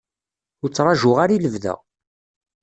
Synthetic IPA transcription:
ʊɾt͡sːɾˤɑʒʊʁaɾiləvðæ̰

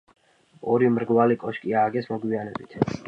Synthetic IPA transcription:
ɔɾimɾɡwalikʼɔʃkʼiaːɡɛsmɔɡwianɛbit̪ʰ

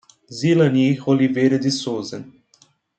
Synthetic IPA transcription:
zilanixoliveːɾed̪isoːzɛn

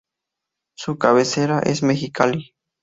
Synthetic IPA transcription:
sukaβeseɾaʔesmexikali

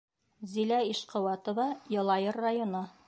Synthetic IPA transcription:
zilæiʃqɤ̆wɑt̪ŏvɑjɤ̆lˠɑjɤrːajonɤ

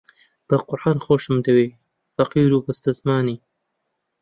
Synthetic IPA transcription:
b̥ɐqʊɾʔaːnxoːʃɨmd̪ɐweː | fɐqiːɾubɨst̪ɐzmaːniː

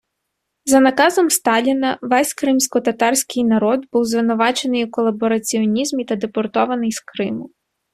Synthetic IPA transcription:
zɐnɐkɑzɔmst̪ɑlʲinɐʋɛsʲkɾɪmsʲkɔt̪ɐt̪ɑrsʲkɪjnɐɾɔd̪buwzʋɪnʊʋɑt͡ʃenɪjukɔlˠɐbɔɾɐt͡sʲiɔnʲizmʲit̪ɐd̪epɔrt̪ɔʋɐnɪjskɾɪmʊ

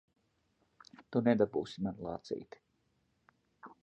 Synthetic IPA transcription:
t̪unɛd̪abṵːsimanlˠɑ̰ːt̪sḭːt̪i̥

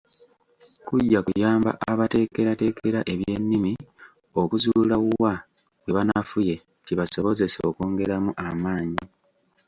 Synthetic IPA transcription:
kuɟːakujaːmba̰ʔaβate̞ːke̞ɾate̞ːkʰe̞ɾaʔe̞βje̞nːimi | o̞kuzulawuwa | weβanafuje̞ | ciβaso̞βo̞ze̞sokoːŋɡe̞ɾamuʔamaːɲi

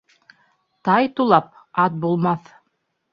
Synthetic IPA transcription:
t̪ɑjt̪ulˠɑp̚ | ɑt̪̚bulˠmɑθ

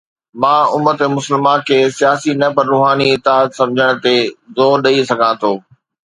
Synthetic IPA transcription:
mãːʊmət̪emʊsəlmãkʰeːsijaːsinɐpɐɾuːɦaːniɪt̪aːət̪sɐ̃md͡ʑʱəɽ̃̆t̪ezoːɗɐisɐɡʱãːt̪ʰoː

